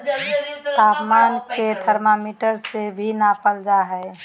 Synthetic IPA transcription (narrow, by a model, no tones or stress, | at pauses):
t̪aːpmaːnket̪ʰəɾmamiːʈəɾsebʱinapəld͡ʒaɦɛː